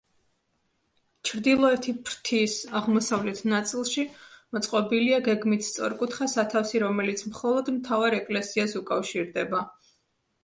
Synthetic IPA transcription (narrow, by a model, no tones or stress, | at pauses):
t͡ʃʰɾd̪ilˠɔɛt̪ʰipʰɾt̪ʰisaʁmɔsavlɛt̪ʰnat̪sʼilˠʃimɔt̪sʼqʼɔbiliaɡɛɡmit̪ʰst̪sʼɔ̰ɾkʼut̪ʰχasat̪ʰafsiɾɔmɛlit̪sʰmχɔlˠɔd̪mt̪ʰavaɾɛkʼlɛsiasukʼafʃiɾd̪ɛba